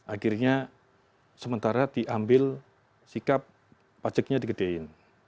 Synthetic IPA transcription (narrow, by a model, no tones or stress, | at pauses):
ʔakirɲa | səmənt̪aɾadiʔambɪl | sikapː | ad͡ʒək̚ɲadikəd̥eɪn